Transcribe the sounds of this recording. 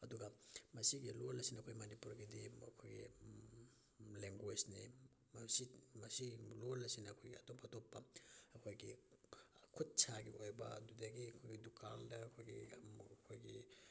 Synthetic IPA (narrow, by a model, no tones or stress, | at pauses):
ɐduɡɐmɐsiɡilolːɐsinɐkʰojmanipuɾɡidiɐ̰kʰojɡḭ | leŋɡwed͡ʒni | msimɐsiɡilolɐsinɐːkʰojɡiɐtopɐtʰopːɐɐkʰojɡi | kʰut̚t͡ʃʰaɡiojbɐdudaɡikʰojɡidukʰaldɐːkʰojɡikʰojɡi